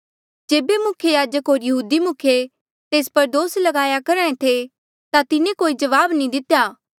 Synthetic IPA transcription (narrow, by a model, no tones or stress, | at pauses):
d͡ʒeːbemʊkʰjejaːd͡ʒəkɦoːɾjɐɦuːd̪imʊkʰje | t̪eːspɐɾd̪oːslɐɡaːjakɐɾãːẽt̪ʰe | t̪at̪ɪnẽkoːid͡ʒɐʋaːbnĩd̪ɪt̪ejaː